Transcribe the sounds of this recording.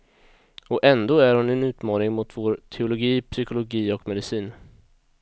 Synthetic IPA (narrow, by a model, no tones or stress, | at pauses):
ɔʔɛnd̪oːæɾhʊnɛnʉ̟ːt̪mɑːnɪŋmʊt̪voːɾt̪ʰɛʊlʊɡiːpʰsʏkʊlʊɡiːɔkmɛd̪ɪsiːn